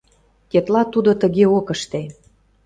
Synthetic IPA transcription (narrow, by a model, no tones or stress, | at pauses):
ket̪lɑt̪ud̪ot̪ə̆ɣeokəʃt̪e